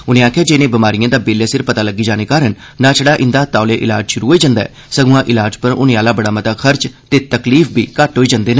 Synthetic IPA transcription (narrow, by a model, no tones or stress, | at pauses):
ʊnẽːaːkʰjaːd͡ʒeːnẽːbəmaːɾijãːd̪aːbeːljaːsɪɾpət̪aːləɡiːd͡ʒaːneːkaːɾənːãːt͡ʃəɽaːʔɪnd̪aːt̪aːleːʔɪ̰laːd͡ʒʃʊɾuːɦoːiːd͡ʒãːnd̪aːɛ̰ːsəɡʊ̃ãːʔɪlaːd͡ʒpəɾʊ̰nẽːaːlaːbəɽaːmət̪aːkʰəɾt͡ʃt̪eːt̪əkliːfʰbḭːkəʈɦoːiːd͡ʒãːnd̪eːnaː